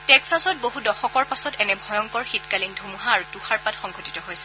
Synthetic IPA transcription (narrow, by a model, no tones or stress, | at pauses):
tɛksasɔt̚boɦudɔxɔkɔɹpasɔtɛnɛbʱɔjɔŋkɔɹxitkalindʱumuɦaːɹutuxaɹpatxɔŋɡʱoti̥tɔɦojsɛ̥